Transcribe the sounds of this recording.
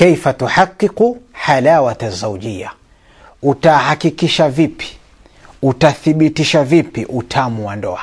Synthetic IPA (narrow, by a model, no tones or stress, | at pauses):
kɛjfatuħaqːiquħalawatazaud͡ʒija̰ | utahakikiʃavipi̥ | utaθiɓitiʃavipiʔutʰamuwandɔ̰a